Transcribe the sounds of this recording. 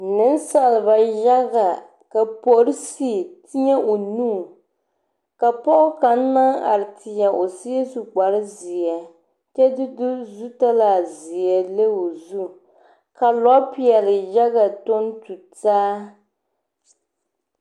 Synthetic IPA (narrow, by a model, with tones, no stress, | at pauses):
nɨ˦n˦sa˨lɨ˨ba˨ja˦ɡa˨ | ka˨po˨ɾɨ˦si˦˨tɪ˦ɲɛ˦ʔo˨nuː˦˨ | ka˨pɔ˦ʔʊ˦ka˨n̩˦na˦ŋa̰˨ɾɨ˨tɪ˨ɲɛ˨ʔo˨si˦e˦su˨k͡pa˨ɾɨ˦zɪ˨ja˨ | t͡ʃɛ˦dɨ˦dʊ˦zu˦ta˦laː˨zɪ˨jɛ˨le˦o˨zu˦ | ka˨lɔ˦pi˦˨ɛ˨lɨ˨ʒa˦ɣa˨to˦n˦tu˨taː˦